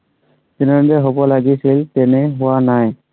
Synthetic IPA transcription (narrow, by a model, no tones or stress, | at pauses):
tinɛdɛɦobɔlaɡisiltɛnɛɦʊwanaj